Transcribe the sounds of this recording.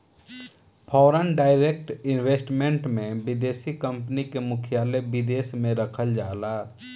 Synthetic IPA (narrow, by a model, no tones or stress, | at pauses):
pʰɔːɾənɖaːɪɾek̚ʈɪnweːsʈmẽɳʈmẽbɪd̪eːsikə̃mpnikemʊkʰjaːlebɪd̪eːsmẽɾəkʰəld͡ʒaːlaː